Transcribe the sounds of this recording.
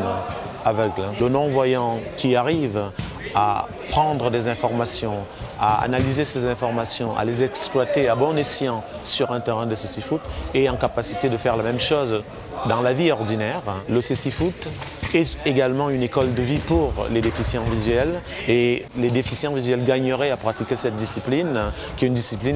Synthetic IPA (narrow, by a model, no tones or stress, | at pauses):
avœɡllənɔ̃vwajɑ̃kʲiaʁiv | a̰ | pχɑ̃d̪ʁəd̪ezɛ̃fɔʁmasjɔ̃ | a̰a̰nalizesezɛ̃fɔʁmasjɔ̃ʔa̰lezɛksplwat̪eabɔ̃nesjɑ̃ | syʁɛ̃t̪eʁɛ̃d̪əsesifut̪eɑ̃kapasi̥t̪ed̪əfɛʁlamɛmʃoz | d̪ɑ̃laviɔʁd̪inɛʁləsesifut̪ɛeɡalmɑ̃ynekɔld̪əvipuʁled̪efisjɑ̃vizɥɛl | eled̪efisjɑ̃vizɥɛlɡaɲəʁɛapχat̪ikʲesɛt̪̚d̪isiplin | kʲiɛynd̪isiplin